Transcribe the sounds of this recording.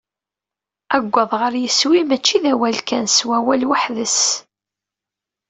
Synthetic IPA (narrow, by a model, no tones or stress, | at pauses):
æɡʷːɑðˤʁəɾjəswimæt͡ʃːiðæwælkænswæwælwaħðəs